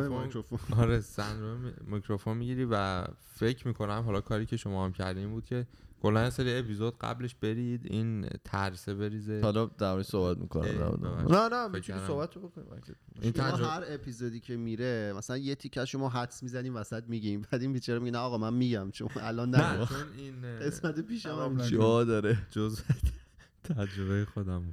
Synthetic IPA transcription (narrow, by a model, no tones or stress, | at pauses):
eɾofonɒɾesænɾoemmikʰɾofonmiɟiɾiːvæ̰ | fe̞cʰmiːkʰo̞næmɦɒlɒːkʰɒːɾiːcʰe̞ʃomɒːhæmcʰæ̰ɾd̪iːmbuːd̪̚cʰe̞kʰolːænjeseɾiepizod̪ɢæ̰bleʃb̥e̞ɾid̪int̪ʰæɾsebe̞ɾiːzehɒlɒd̪æɾmɒɾisoːhbæt̪ʰmḭːkʰonæ̰md̪æ̰mo̰d̪̰nænæmit͡ʃ̪ʰiisobæt̪ʰːobokonḭeint̪ʰæɦæɾe̞pʰizod̪iːcʰe̞miɾemæsælænjet̪ʰicʰːæʃomɒːɦæd̪smizæniːvæsæt̪̚miɟimbæd̪inpit͡ʃʰeɾmiɟenæɒɣɒːmænmiɟæmt͡ʃʰonælɒːnːæoninɡe̞smæt̪epiːʃæmʃɒd̪ɒːɾed͡ʒoze | t̪ʰæd͡ʒɾoβejexod̪æm